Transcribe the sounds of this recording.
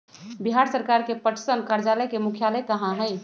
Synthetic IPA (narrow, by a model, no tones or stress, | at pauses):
biɦaɾsəɾkaɾkepəʈʰsənkaɾd͡ʒaləjkemukʰjaləkəɦãɦəj